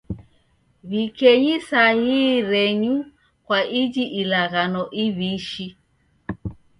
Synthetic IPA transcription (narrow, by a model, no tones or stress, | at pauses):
βikɛɲisahiːɾɛɲu | kwaʔid͡ʒiʔilaɣanɔʔiβiʃi